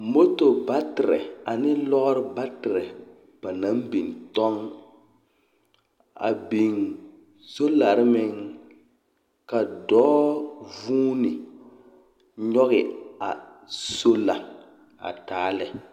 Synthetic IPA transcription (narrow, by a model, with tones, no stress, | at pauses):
mo˦to˨ba˦tɪ˨ɾɛ̰˨a˨nɪ˦lɔ˦ʔɾɪ˦ba˦tɪ˨ɾɛ˨ | b̥a˨na˨˦mbi˨n˨tɔ˦ŋ | a̰˨bi˨ŋ | so˦la˨ɾɪ˦mɪ˦ŋ | ka˨dɔː˦vuː˦nɪ˨ | ɲɔ˦ɣɪ˨a˨so˦la˨ | a̰˨taː˨˦lɛ˨